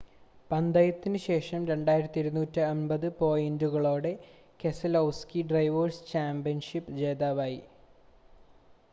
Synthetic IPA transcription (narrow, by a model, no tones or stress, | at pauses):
pɐnd̪ɐjɐt̪ːinɨɕe̞ːʂɐmɾe̞ɳɖaːjiɾɐt̪ːiiɾunuːtːɨɐnbɐðɨpo̞ːjinduɣɐɭo̞ːɽe̞ | ke̞sɐlɐwskiɖrɐjʋoːrst͡ɕaːmbijɐnʂipːɨd͡ʑeːðaːʋaːji